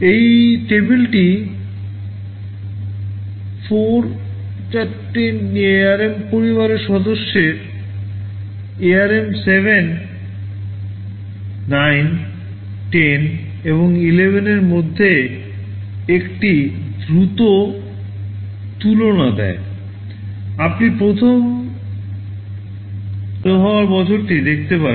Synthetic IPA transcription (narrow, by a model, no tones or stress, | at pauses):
ejʈebelʈi | fʰoɾ | t͡ɕaʈːennːieaɾempoɾiβaɾeɾʃɔd̪oʃːeɾ | eaɾemsebʱen | ajn | ʈen | eβoŋilebʱeneɾmod̪ʱːe | ekʈid̪ɾut̪o | t̪ulonad̪ɛ̰e | apnipɾot̪ʰom | oɦɔoaɾbɔt͡ɕʰoɾʈid̪ek̚ʰt̪epaɾen